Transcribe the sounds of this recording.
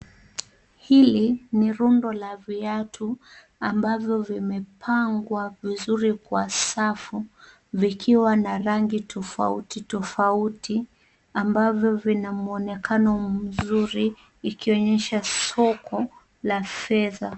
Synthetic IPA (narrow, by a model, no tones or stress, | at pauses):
hiliniɾundɔlaviatʰu | ambavjɔvimɛpʰaŋɡwavizuɾikwasafu | vikʰiwanaɾaŋɡitʰɔfa̰utitɔfautʰi | ambavjɔvinamuɔnɛkʰanɔm̩zuɾiː | kiɔɲɛʃasɔkʰɔ | lafɛða